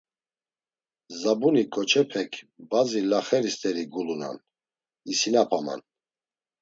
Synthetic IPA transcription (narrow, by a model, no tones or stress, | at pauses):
zabunikʼɔt͡ʃʰɛpʰɛkʰbazilaχɛɾist̪ʼɛɾiɡuluna̰n | isinapʰama̰n